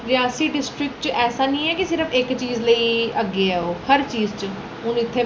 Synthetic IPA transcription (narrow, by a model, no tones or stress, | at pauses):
ɾɪjãːsiːɖɪsʈɾɪk̚ʈt͡ʃɛːsaːnĩːɛːkɪsɪɾəpʰɪkt͡ʃiːzləiːəɡeɛːoːhəɾt͡ʃiːzt͡ʃə | ʊnɪt̪ʰːeː